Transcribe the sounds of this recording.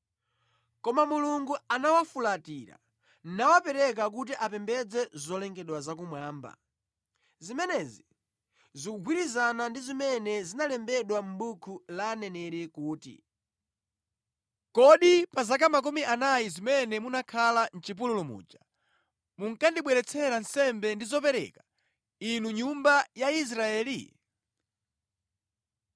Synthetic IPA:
kɔmamuluŋɡuanawafulatiɾa̰ | n̩nawapɛɾɛk̬ak̬utiʔapɛmbɛd͡zɛzɔlɛŋɡɛɗwazak̬umwaːmba̰ | zimɛnɛzi | zikuɡʱwiɾizanandizimɛnɛzinalɛmbɛɗwam̩ɓukʰulaːnɛnɛɾɛkuːtḭ | kɔɗipazak̬amak̬umiʔanajizimɛnɛmunakʰalan̩t͡ʃip̬ululumṵːt͡ʃḁ | muŋkandiɓwɛɾɛt͡sʰɛɾan̩sɛmbɛndizɔp̬ɛɾɛ̰ka | inuɲumbajais̬ɾaɛːli

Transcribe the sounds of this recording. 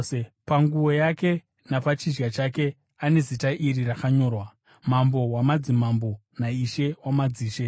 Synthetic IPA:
e | paŋɡuwo̞jake̞ | napat͡ʃid͡ʒɡat͡ʃake̞ | ane̞zitaʔiɾirakaɲo̞ːrwa | mambo̞wamad͡zimambo̞ | naiʃe̞wamad͡ziːʃe̞

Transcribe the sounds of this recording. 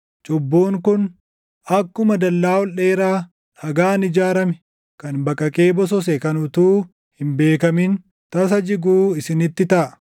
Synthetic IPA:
t͡ʃʼɔbːoːŋkʊn | ɐkːʊmɐd̪ɐlːaːwɔleːɾaː | ɐɡaːnɪd͡ʒaːɾɐmɛ̥ | kɐnbɐkʼːɐkʼe̞ːbɔs̬ɔs̬ɛkɐnʊt̪uː | hɪmbe̞ːkɐmɪn | t̪ɐs̬ɐd͡ʒɪɡuːɪsɪnɪt̪ːɪt̪ɐʔɐ̥

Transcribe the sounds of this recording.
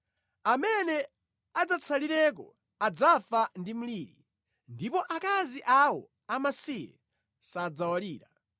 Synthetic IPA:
amɛnɛ | ad͡zat͡sʰaliɾɛk̬ɔ | ad͡zafandim̩liːɾḭ | ndipɔʔakaziʔawɔ̰ | amasiɛ̰ | sad͡zawaliːɾa

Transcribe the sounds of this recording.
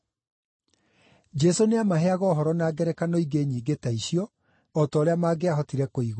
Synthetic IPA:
d͡ʒɛsoneamaɦeaɣɔːɦɔɾɔnaːɡɛɾɛkanɔiɡeɲiːɡetaiɕiɔ | ɔtɔːɾeamaːɡeaɦɔtiɾɛkoiɣ

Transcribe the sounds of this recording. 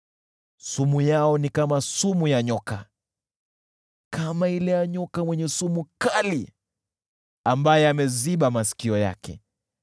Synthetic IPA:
sumujaɔnikamasumujaɲɔka | kamailɛjaɲɔkamwɛɲɛsumukali | ambajɛamɛziɓamasi̥kiɔja̰kʰɛ̰

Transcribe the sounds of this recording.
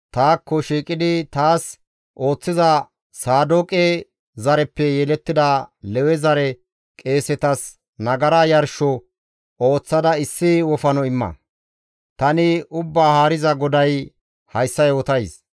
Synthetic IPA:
t̪aːkːɔʃiːkʼɪd̪ɪt̪aːs | ʔo̞ːt͡sːɪzɐ | saːd̪oːkʼɛ | zɐɾɛpːɛjɛlɛt̪ːɪd̪ɐlɛwɛzɐɾɛ | kʼe̞ːsɛt̪ɐs | nɐɡɐɾaːjɐɾʃɔ | o̞ːt͡sːɐd̪ɐɪsːɪwɔfɐnɔɪmːɐ̰ | t̪ɐnɪʊbːaːhaːɾɪzɐɡɔd̪ɐj | hɐjsːɐjɔt̪ɐjs

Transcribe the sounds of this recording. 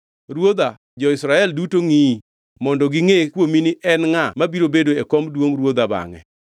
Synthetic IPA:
ɾwod̪a | d͡ʒɔɪsɾaɛldutoŋi | mɔndɔɡɪŋekwominɪʔɛnŋamabiɾobedoekomdwoŋɾwod̪aba̰ŋɛ̰

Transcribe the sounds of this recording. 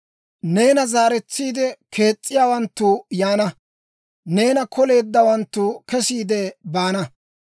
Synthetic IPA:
ne̞ːnɐzaːɾɛt͡sːiːd̪ɛkʰe̞ːt͡sʼːɪjaːwɐnt̪ːuːjaːnɐ | ne̞ːnɐkʰɔle̞ːd̪ːɐwɐnt̪ːukɛsiːd̪ɛbaːnɐ

